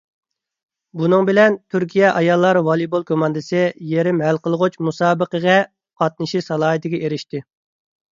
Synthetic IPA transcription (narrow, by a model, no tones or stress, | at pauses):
bunɨŋbɪlɛnt̪ʰyɾkʲijɛʔɑjɑlˠːɑɾwɑlˠibolˠkʰomɑnd̪ɨsɪjeɾɪmɦælqəlˠəʁʊt͡ʃmusɑːbəqəʁɛ | qʰɑt̪̚nɨʃisɑlˠɑːɦɨt̪ɪɡʲɛʔeɾɪʃt̪ɪ